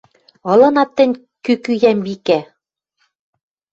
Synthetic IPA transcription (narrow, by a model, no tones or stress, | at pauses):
ɤ̆lɤ̆nɑt̪ːɘ̆nʲ | kykyjæmβikæ